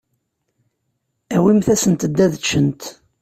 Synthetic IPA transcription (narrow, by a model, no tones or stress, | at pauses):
æwimθæsənt̪əd̪ːæðət͡ʃːənt̪